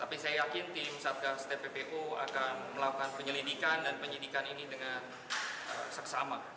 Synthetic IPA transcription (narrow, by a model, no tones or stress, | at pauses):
t̪apisajajakɪnt̪ɪmsat̪̚kast̪epepeʔua̰kanməlakukanpəɲəlidikandanpəɲidikaninidəŋan | ə̰səksama